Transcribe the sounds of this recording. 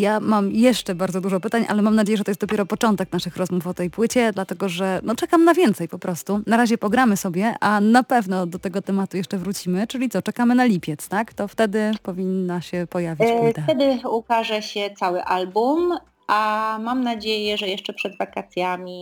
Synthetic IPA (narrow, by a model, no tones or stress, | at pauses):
jamamjɛʂt͡ʂɛbaɾd̪zɔd̪uʐɔpɘt̪aɲʔa̰lɛmamnad͡ʑejɛʐɛt̪ɔjɛst̪ɔpʲjɛɾɔpɔt͡ʂɔnt̪ɛknaʂɘxɾɔzmufɔt̪ɛjpwɘt͡ɕɛd̪lat̪ɛɡɔʐɛnɔt͡ʂɛkamnavʲjɛnt̪sɛjpɔpɾɔst̪unaɾaʑɛpɔɡɾamɘsɔbʲjɛʔʔanapɛvnɔd̪ɔt̪ɛɡɔt̪ɛmat̪ujɛʂt͡ʂɛvɾut͡ɕimɘt͡ʂɘlʲit̪ɔt͡ʂɛkamɘnalʲipʲjɛt̪st̪akt̪ɔft̪ɛd̪ɘpɔvʲinːaɕɛpɔjavʲit͡ɕt̪at̪ɛd̪ɘukaʐɛɕɛt̪sawɘʔalbum | amamnad͡ʑejɛʐɛjɛʂt͡ʂɛpʂɛd̪vakat̪sʲjamʲi